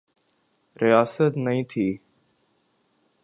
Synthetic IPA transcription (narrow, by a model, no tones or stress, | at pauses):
ɾɪjaːsət̪nəĩːt̪ʰiː